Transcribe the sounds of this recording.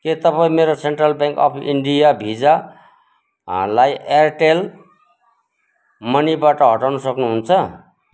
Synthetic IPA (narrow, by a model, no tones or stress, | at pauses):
ket̪ʌpaĩmeɾoseɳʈrʌlbjãŋkʌ̰pʰḭɳɖijabʱid͡za | lajʔerʈel | mʌnibaʈʌɦʌʈawnusʌknuɦunt͡sʰʌ